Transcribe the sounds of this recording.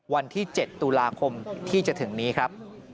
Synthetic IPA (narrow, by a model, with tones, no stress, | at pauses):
wa˧nt̪ʰiː˥˩t͡ɕe˨˩t̪ːu˧laː˧kʰo˧mt̪ʰiː˥˩t͡ɕa˨˩t̪ʰɯ˩˦ŋniː˦˥kʰɾa˦˥p̚